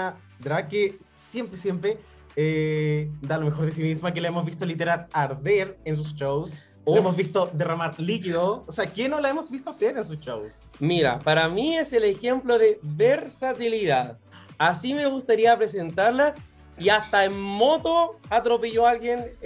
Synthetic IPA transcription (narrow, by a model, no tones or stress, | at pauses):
d̪ɾake | sje̞mpɾesjempɾe | e | d̪alomexo̞ɾðes̬imismak̬elaemozβist̪olit̪eɾaɾaɾðeɾens̬ust͡ʃows | oemozβist̪od̪eramaɾlikiðoːseakenolaemozβist̪oaseɾens̬ust͡ʃows | miɾa̰paɾamieselexe̞mploðeβeɾsat̪iliðað | asime̞ɣust̪aɾiapɾe̞s̬e̞nt̪aɾla | iast̪aemmo̞t̪oat̪ɾo̞peʝoalɣjen